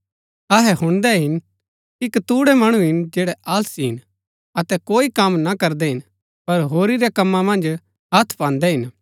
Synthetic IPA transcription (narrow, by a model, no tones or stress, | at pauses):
ɐɦɛɦʊ̃ɽ̃d̪ɛɦɪn | ɪkt̪uːɽɛmɐɽ̃uɦɪnd͡ʒɛːɽɛʔaːlsiɦɪn | ɐt̪ɛkoːikɐmnakɐɾd̪ɛɦɪn | pɐɾɦoːɾiɾɛkɐmːãmɐ̃nd͡ʒ | ɦɐt̪ʰpãːnd̪ɛɦɪn